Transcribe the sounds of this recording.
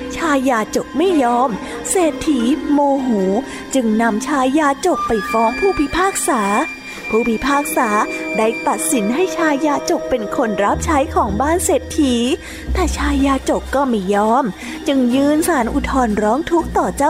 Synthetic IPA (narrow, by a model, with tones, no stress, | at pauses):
t͡ɕʰaː˧jːaː˧t͡ɕo˨˩k̚ma˥˩jːɔː˦˥m | seː˨˩t̪ʰːiː˩˦moː˧ɦuː˩˦ | t͡ɕɯ˧ŋna˧mt͡ɕʰaː˧˥jːaː˧t͡ɕo˨˩k̚pa˧˩jfɔː˦˥ŋpʰuː˥˩pʰi˦˧˥pʰaː˥˩k̚saː˩˦ | pʰuː˥˩pʰi˧˥pʰaː˥˩k̚saː˩˦daː˥˩jt̪a˨˩t̪̚si˩˦nɦa˥˩jt͡ɕʰaː˧jːaː˧t͡ɕo˨˩k̚pe˧nkʰo˧nɾa˦˥p̚t͡ɕʰa˦˥jkʰɔː˩˦ŋbaː˥˩nseː˨˩t̪ʰːiː˩˦ | t̪ɛː˨˩t͡ɕʰaː˧jːaː˧t͡ɕo˨˩kkːɔː˥˩ma˥˩jːɔː˦˥m | t͡ɕɯ˧ŋjɯː˧nsaː˩˦nʔu˨˩t̪ʰɔː˧nɾɔː˦˥ŋt̪ʰu˦˥k̚t̪ɔː˨˩t͡ɕaː˥˩